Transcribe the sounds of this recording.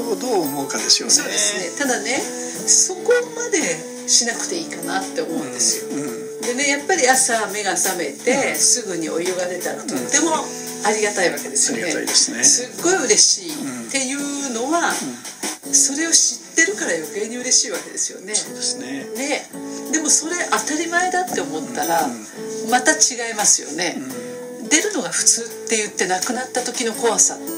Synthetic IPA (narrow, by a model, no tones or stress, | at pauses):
d̪oːmoɯkad̪esoso̞ːd̪e̞sɨne̞t̪ad̪ane̞ | so̞ko̞mad̪e̞ | ɕinakɯ̟̥t̪e̞iːkana̰t̪ːe̞omoɯnd̪e̞sɨjo̞ | d̪e̞ne̞japːaɾʲiasame̞ɡasame̞t̪e̞sɨɡɯ̟ɲ̟iʔo̞̰jɯɡaɾe̞t̪a̰nat̪ot̪ːe̞mo̞ | aɾʲiɡat̪aiβake̞d̪e̞sɨjoeissɨɡːo̞iɯ̟ɾe̞ɕiːt̪e̞jɯ̟ːno̞βa | so̞ɾe̞o̞ɕit̪ːe̞ɾɯ̟kaɾajo̞ke̞ːɲ̟iɯ̟ɾe̞ɕiːβake̞d̪e̞sɨ̥jo̞̰ne̞od̪snne̞d̪e̞mo̞so̞ɾe̞ʔat̪aɾʲimae̞d̪at̪ːe̞omo̞t̪ːaɾa | mat̪at͡ɕiɡaimasɨjo̞̰ne̞ | d̪e̞ɾɯ̟no̞ɡaɸɯ̟̥t͡sɨːt̪ːe̞jɯ̟t̪ːe̞nakɯ̟nat̪ːat̪o̞kʲino̞ko̞βasa̰